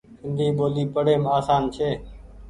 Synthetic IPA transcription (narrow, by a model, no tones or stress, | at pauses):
sɪnd̪ʱiːɓoːliːpəɽeːmaːsaːnt͡ʃʰeː